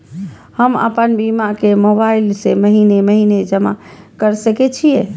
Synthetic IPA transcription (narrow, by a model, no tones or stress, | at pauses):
həmə̰pənbimakemobailseməɦineməɦined͡ʒəma̰ | kəɾsəkɛt͡ʃʰije